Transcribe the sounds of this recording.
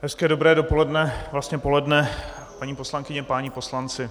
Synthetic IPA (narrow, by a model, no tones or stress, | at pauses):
ɦɛskɛːdo̞bɾɛːdo̞po̞lɛdnɛvlast̪ɲɛpo̞lɛdnɛ | paɲiːpo̞slaŋkɪɲɛpaɲɪpo̞slant͡sɪ